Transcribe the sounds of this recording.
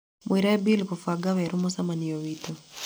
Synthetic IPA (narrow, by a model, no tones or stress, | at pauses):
mwiɾaɛbilikɔfaɡaβɛɾumɔsamanijɔwitɔ